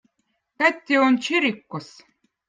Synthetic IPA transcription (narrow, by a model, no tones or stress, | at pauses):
kæt̪ʲːeont͡ɕiɾʲikːos